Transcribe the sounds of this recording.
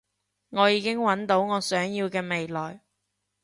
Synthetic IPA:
ŋɔː˨˧jiː˨˧kɪ˥ŋwɐ˨˥nt̪o˨˥wŋɔː˨˧sœː˨˥ŋjiː˧wkɛː˧me˨jlɔː˨j

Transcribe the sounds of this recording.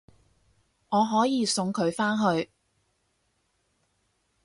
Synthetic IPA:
ŋɔː˨˧ɦɔː˨˥jiː˨˧sʊ˧ŋkʰɵ˨˧ɥfaː˥nɦɵ˧ɥ

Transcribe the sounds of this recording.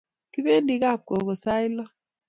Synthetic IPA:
ki˦be˦ndi˦ka˦˨p̚ko˨ko˨sa˦i˦lɔ˦

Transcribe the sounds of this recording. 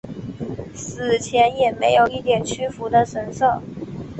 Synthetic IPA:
sɹ̩˨˩t͡ɕʰjɛ˧˥njɛ˨˩me˧˥ɪjo˨˩ʊi˥˩t̪jɛ˨˩nt͡ɕʰy˥fu˧˥d̪ə˧ʂə˧˩nsɤ˥˩

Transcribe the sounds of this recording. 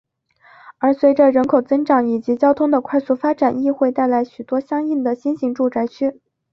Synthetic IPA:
ə˞˧˥swe˧˥ɪʈ͡ʂə˧ɻə˧˥nkʰo˨˩ʊt͡sɤ˥ŋʈ͡ʂɑ˨˧˥ŋi˨˩t͡ɕi˧˥t͡ɕjɑ˥ʊt̪ʰʊ˥ŋd̪ə˨kʰwa˥˧ɪsu˥˩fa˥ʈ͡ʂa˨˩ni˥˧xwe˥˧ɪt̪a˥˩ɪla˧˥ɪɕy˨˩t̪wɔ˥ɕjɑ˥ŋi˥˩nd̪ə˩ɕi˥nɕi˧˥ŋʈ͡ʂu˥˧t͡sa˥ɪt͡ɕʰy˥

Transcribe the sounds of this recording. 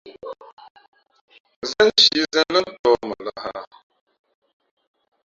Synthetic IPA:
zə˦n˦ʃi˨˦zə˦lə˦tɔ˨˦ma˨la˨ha̰˨

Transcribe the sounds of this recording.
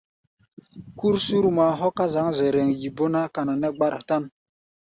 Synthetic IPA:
ku˦ɾsu˦ɾma˨ɦɔ˦ka˦za˨˦ŋzɛ˨ɾɛ˨ŋji˨bo˦na˦ka˨na˨nɛ˦ɡ͡ba˦ɾa˨ta˦n

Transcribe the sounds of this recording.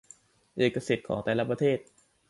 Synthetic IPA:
ʔeː˨˩kːa˧si˨˩t̪̚kʰɔ̰ː˩˦ŋt̪ɛː˨˩laː˦˥pɾa˧t̪ʰeː˥˩t̪̚

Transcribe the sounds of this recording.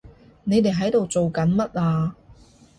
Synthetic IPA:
ne˨˧jt̪e˨jɦɐ˨˥jt̪o˨wt͡so˨wkɐ˨˥nmɐ˥t̚aː˧

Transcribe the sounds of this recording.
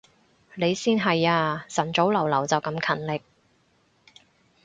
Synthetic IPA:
le˨˧jsiː˥nɦɐ˨jaː˧sɐ˨˩nt͡so˨˥wlɐ˨˩wlɐ˨˩wt͡sɐ˨wkɐ˧mkʰɐ˨˩nlɪ˨k̚

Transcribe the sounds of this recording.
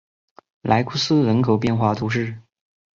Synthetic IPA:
lʔa˧˥ɪkʰu˥sɹ̩˥ɻə˧˥nkʰo˨˩ʊpjɛ˥˧nxwa˥˩t̪ʰu˧˥ʈ͡ʂɻ̩˥˩

